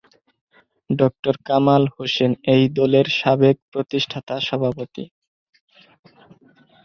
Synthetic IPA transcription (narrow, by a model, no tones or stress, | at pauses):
ɖɔk̚ʈoɾkamalhoʃenejd̪ɔleɾʃabek̚pɾot̪iʃʈʰat̪aʃɔbʱapot̪ḭ